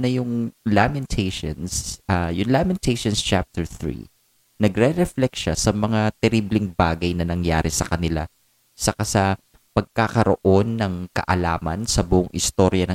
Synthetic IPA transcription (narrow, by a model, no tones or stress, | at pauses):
nɐjʊŋlamɛnt̪ʰeʃo̰nsʔɐjʊŋlamɛnt̪ejʃonst͡ʃap̚t̪ɛɹθɹḭ | nɐɡɾɛɾɛflɛkʃasɐmɐŋat̪ɛɾiblɪŋbaːɡɐjnɐnɐŋja̰ːɾɪsɐ̰kɐnɪla̰ | sɐkasɐ | pɐɡ̚kakɐɾo̰ʔo̞nːɐŋkɐ̰ʔɐlaːmɐnsɐbʊʔʊŋʔɪst̪oɾjɐnɐ